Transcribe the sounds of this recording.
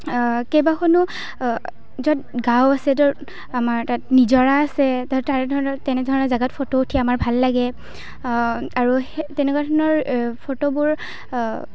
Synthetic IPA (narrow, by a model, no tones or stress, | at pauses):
kejbaxʰɔnu | zɔtɡãwasɛtɔ | amaɹtatnizɔɹaːsɛttaɹɛdʱɔɹɔnɔtɛnɛdʱɔɹɔnɔɹzaɡatpʰotoutʰijaamaɹbʱalːaɡɛ | aɹutɛnɛkwadʱɔɹɔnɔɹpʰotobʊɹ